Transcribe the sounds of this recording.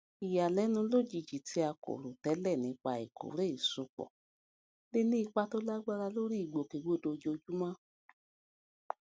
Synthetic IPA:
i˨ja˨lɛ˨˦nũ˧lo˦˨d͡ʒi˨d͡ʒi˨tʰi˧˦a˧ko̰˨ɾo˨tɛ˨˦lɛ˦˨nĩ˨˧k͡pa˧ḭ˨kʰo̰˨ɾe˦i˦˨so˨˧k͡pɔ̰˨ | le˦nĩ˦i˧k͡pa˦to˦la˦ɡ͡ba˦ɾa˧lo˦ɾi˦i˦˨ɡ͡bo˨ke˨ɡ͡bo˨˦˨do˧d͡ʒo˧d͡ʒu˦mã˦

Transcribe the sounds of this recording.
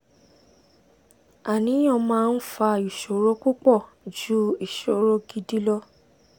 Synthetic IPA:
a˨nĩ˨˦j̃ɔ̃˦˧mãː˦˧n̩˦fa˧i˨ʃo˨˦ɾo˦ku˦k͡pɔ˦˨ | d͡ʒu˦i˦˨ʃo˨˦ɾo˦ɡi˧˦di˦lɔ˦

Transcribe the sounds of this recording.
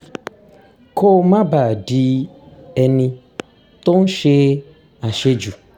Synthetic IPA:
kʰo˦mã˦ba˨ɖi˦ | ɛ˨nĩ˧ | t̪o˦ŋ˦ʃe˦ | a˨ʃe˦d͡ʒu˨

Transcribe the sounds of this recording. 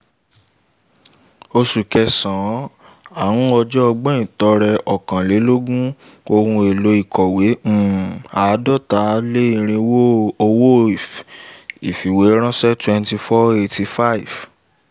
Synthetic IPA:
o˧su˨kɛ˧sã˨˦ | a˦˨wũ˦ɔ˧d͡ʒɔ˦ɔ˧ɡ͡bɛ̃˦ĩ˨tɔ˧˦ɾɛ˧ʔɔ˨kã˨le˨˦lo˦ɡũ˦ | o˧hũ˧e˨lo˨˦i˦˨kʰɔ˨wẽ˨˦˨a˨˦dɔ˦˨ta˦le˦i˦˧˨ɾ̃ĩ˧wo˦o˧wo˦˨f | i˨fi˨we˨˦ɾ̃ã˦sɛ˦twɛ̃˧nti˧fɔ˦e˧ti˧fa˦i˨v

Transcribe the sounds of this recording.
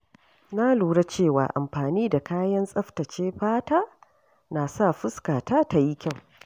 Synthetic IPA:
na˦luː˨ɽa˦t͡ʃeː˦˨wa̰ː˨ʔa̰˨mɸaː˨niː˦da˨kaː˦jɐ˦nsʼɐ˦ɸtɐ˨t͡ʃeː˦ɸaː˦taː˦ | na˨sa˦˨ɸʊ˦skaː˨taː˦ta˨ji˦kʲa˦˨w

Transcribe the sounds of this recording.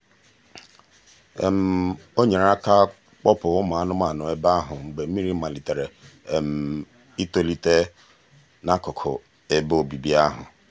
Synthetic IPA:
e˨m̩˨o˦ɲe˨ɾa˦ka˦ | k͡pɔ˦pʊ˨ʊ˦ma˨a˦nʊ˦ma˨nʊ˨e˦ba˦ɦʊ˨ŋ͡m̩˨ɡ͡be˨m̩˦i˦ɾi˦ma˨li˨te˨ɾe˨m̩˨ | i˦to˦li˦te˦ | na˦kʊ˨kʰʊ̰˨ | e˨bo˨bi˨bi˦a˦ɦʊ̰˨

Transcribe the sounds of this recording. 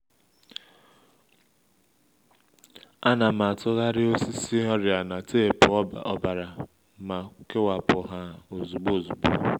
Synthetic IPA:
a˦na˨ma˨tʊ˦ɣa˦ɾɪ˦o˦si˦si˦ɦɔ˦ɾja˨na˨te˦˨pʊ˨ɔ˦˨ɔ˦ba˨ɾa˨ | ma˨˦ke˦wa˨pʊ˨ɦa˦o˨zu˨ɡ͡bo˦˨zu˨ɡ͡bo̰˦

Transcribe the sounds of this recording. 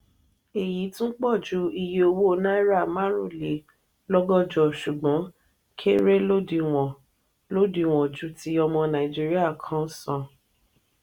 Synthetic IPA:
e˨ji˨˦tũ˦n̩˦k͡pɔ˦˨d͡ʒu˨˦i˧je˦o˧wo˦o˧˦na˦i˦ɾa˦˨ma˦ɾṵ˦˨le˨˦ | lɔ˦ɡɔ˦˨d͡ʒɔ˨ʃu˨ɡ͡bɔ̃˨˦ | kʰe˦ɾe˦lo˦di˧w̃ɔ̃˨ | lo˦di˧˨w̃ɔ̃˨d͡ʒu˨˦ti˦ɔ˧mɔ̃˧nã˨ĩ˨d͡ʒi˦ɾi˦a˦˨kʰã˦sã˧˨

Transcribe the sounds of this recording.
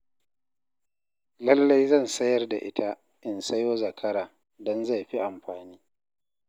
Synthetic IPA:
lɐ˦lːa˦jzɐ˦˨nsɐ˦jɐ˦rda̰˨ʔɪ˦tʰa˦ | ʔɪ˦nsɐ˦joː˦zɐ˨kʰɐ˦ɾaː˨ | dɔ˦nza˦˨ɸi˦ʔa˨mɸaː˨niː˦

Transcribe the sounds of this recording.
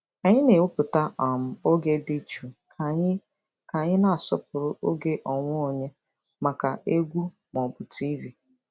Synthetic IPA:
a˨ɲɪ˦ne˨ʊ˦pʊ˨ta˦ʔɔ˨m̩˦o˦ɡe˦di˦t͡ʃu˨˦ | ka˨ɲɪ˦na˦a˨sɔ̰˦p̚ʊ˨ɾʊ˦ʔo˦ɡe˦ʔɔ˨ŋʷ˦o˨ɲe˦ | ma˨ka˨e˦ɡʷu˦ | mɔ˨bʊ˨tʰi˦vi˨

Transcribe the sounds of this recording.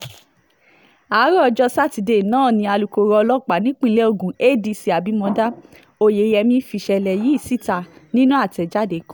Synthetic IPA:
a˨˦ɾɔ˦˧d͡ʒɔ˧sa˦˨ti˨˧˨de˨nãː˦˨nĩ˧a˧lu˨ko˧ɾɔ˧lɔ˦˨k͡pa˨nĩ˦k͡pĩ˦˧lɛ˦o˦˧˨ɡũ˨e˦˨di˧si˧˦a˨bi˨˦mɔ̃˧da˦ | o˧˨je˨˦jɛ˧mĩ˧fi˧ʃɛ˧lɛ˨ji˨˦i˦˨si˦˨ta˧˨nĩ˦nũ˦a˦˨tɛ˨d͡ʒa˦de˨˦kɔ̃˦

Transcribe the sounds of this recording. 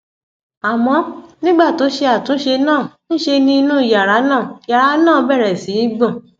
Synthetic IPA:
a˨mɔ̃˧˦nĩ˦ɡ͡ba˦˨to˨˦ʃe˧a˦˨tũ˨˦ʃe˧nãː˦˨ñ̩˦ʃe˧nĩ˧nũ˦i˨ja˨ɾa˨˦nãː˦˨ja˨ɾa˨˧˦nãː˦˨bɛ˦˨ɾɛ˨sĩ˨˦i˦ɡ͡bɔ̃˦˨

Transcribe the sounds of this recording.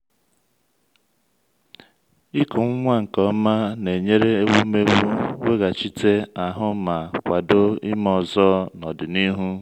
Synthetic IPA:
i˦kʊ˨ŋ̩˦ŋʷa˦ŋ̩˨kɔ˦ma˦ne˨ɲe˦ɾe˦e˦wu˦me˦ɡu˦we˦ɣa˨t͡ʃi˦te˦a˨ɦʊ˦ma˨kʷa˨do˦ḭ˦mɔ˨zɔ˦nɔ˨dɪ˨ni˦ɦu˦

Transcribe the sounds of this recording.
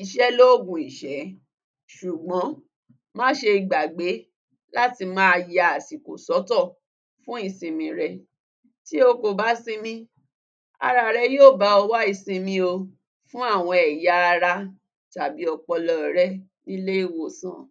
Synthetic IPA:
i˨ʃɛ˨˦lo˦˨ɡũ˨i˨ʃɛ˨˦ | ʃu˨ɡ͡bɔ̃˨˦ | mã˦ʃe˧i˨ɡ͡ba˨ɡ͡be˨˦ | la˦ti˧mãː˦˧ja˨a˨si˨ko̰˨sɔ˨˦tɔ˦˨ | fũ˦i˦˧sĩ˧mĩ˧ɾɛ˧ | ti˦o˧ko˨ba˦sĩ˧mĩ˧ | a̰˧ɾa˧˨ɾɛ˧joː˦˨ba˨˦ɔ˧wa˦i˧sĩ˧mĩ˧o˧ | fũ˦a˦˨w̃ɔ̃˧ɛ˨ja˨˧a˧ɾa˧ | ta˨bi˨˦ɔ˧k͡pɔ˧lɔ˧˨ɾɛ˦ | nĩ˦le˦i˦˨wo˦˨sã̰˨

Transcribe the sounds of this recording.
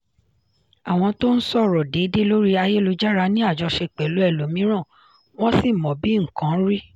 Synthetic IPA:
a˨w̃ɔ̃˧to˦n̩˦sɔ˦˨ɾɔ˨de˨˦de˦lo˦ɾi˦a˧je˦lo˧d͡ʒa˦ɾa˧nĩ˦a˦˨d͡ʒɔ˧ʃe˧k͡pe˨lu˨˦ɛ˦˨lo˨mĩ˨˦ɾ̃ã˦˨ | w̃ɔ̃˦si˦˨mɔ̃˨bi˨˦ŋ̩˨kã˨˦ɾi˦

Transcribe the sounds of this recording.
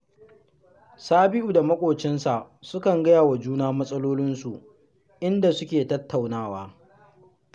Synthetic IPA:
saː˦bɪ˦ʔuː˨da˨mɐ˦kʷʼoː˨t͡ʃɪ˦nsa˨ʔ | sʊ˦kɐ˨ŋɡɐ˦jaː˨wa˨d͡ʒuː˦naː˦mɐ˦sʼɐ˦loː˦lɪ˦nsu˨ | ʔɪ˦nda˨sʊ˦kʲeː˨tɐ˦tʰːa˨wnaː˦˨waː˦

